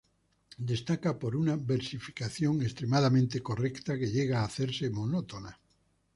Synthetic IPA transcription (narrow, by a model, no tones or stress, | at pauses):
d̪est̪akapoɾunaβeɾsifi̥kaθjoŋest̪ɾemaðamẽnt̪ekorekt̪akeʎeɣ̞aːθeɾsemonot̪ona